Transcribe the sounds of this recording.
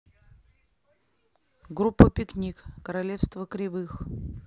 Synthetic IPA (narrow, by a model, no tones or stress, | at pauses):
ɡɾupːəpʲɪknʲikkəɾɐlʲefst̪vəkɾʲɪvɨx